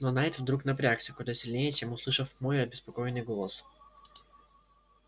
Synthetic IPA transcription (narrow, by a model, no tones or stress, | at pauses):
nonaɪt̪vd̪ɾuknɐpɾʲaksʲɪkʊd̪asʲɪlʲnʲejɛət͡ɕemʊslˠɨʂəfmojɐbʲɪspɐko̞jɪnːɨjɡolˠəs